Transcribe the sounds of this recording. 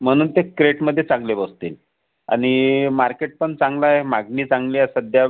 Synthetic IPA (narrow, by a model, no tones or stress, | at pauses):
m̤əɽ̃uːnt̪ekɾeʈməd̪ʱːjet͡sãŋɡlebəst̪ḭːl | a̰ñimaɾkeʈ̚pəɳt͡sãŋɡlaemaɡniːt͡sãŋɡliasəd̪ʱja